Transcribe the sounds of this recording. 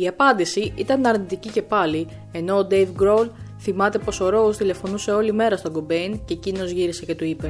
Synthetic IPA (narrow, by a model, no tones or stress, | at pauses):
iɐpɐnd̪isiit̪ɐnɐɾnit̪icice̞pɐli | e̞no̞ːd̪e̞jvɡɾo̞lθimɐt̪e̞po̞so̞ɾo̞ost̪ile̞fo̞nuse̞o̞lime̞ɾɐst̪o̞ŋɡo̞be̞jnce̞cino̞zʝiɾise̞ce̞t̪uipe̞